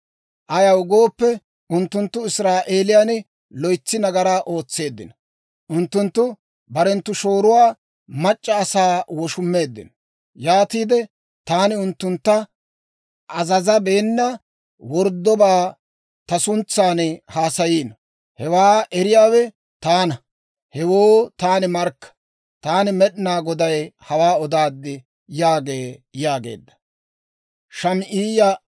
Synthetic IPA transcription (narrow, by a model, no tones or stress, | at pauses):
ʔɐjɐwʊɡoːpːɛ | ʊnt̪ːʊnt̪ːʊɪsɾaːʔe̞ːlɪjaːn | lɔjt͡sːɪnɐɡɐɾaːʔo̞ːt͡sːe̞ːd̪ːɪ̰nɐ | ʔʊnt̪ːʊnt̪ːʊ | bɐɾɛnt̪ːʊʃo̞ːɾʊwaː | mɐt͡ʃʼːɐːsaːwɔʃʊmːe̞ːd̪ːɪ̰n | jaːt̪iːd̪ɛ | t̪aːnɪʊnt̪ːʊnt̪ːɐ | ʔɐzɐzɐbe̞ːnːɐ | wɔɾd̪ːɔbaː | t̪ɐsʊnt͡sːaːnhaːsɐjiːnɐ | hɛwaːɛɾɪjaːwɛ | t̪aːnɐ | hɛwoːt̪aːnɪmɐɾkːɐ̥ | t̪aːnɪmɛɗnaːɡɔd̪ɐjhɐwaːɔd̪aːd̪ːɪ | jaːɡe̞ːjaːɡḛːd̪ːɐ̥ | ʃɐmʔiːjɐ